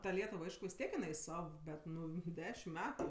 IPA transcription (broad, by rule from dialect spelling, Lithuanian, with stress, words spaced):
tɐ ˈlʲiɛtʊw ˈɐɪʃkʊ ʋʲɪs ˈtʲiɛk jɪˈnɐɪ ˈsɐw ˈbʲɛt ˈnʊ ˈdʲæːʃʲɪm ˈmʲæːtʊ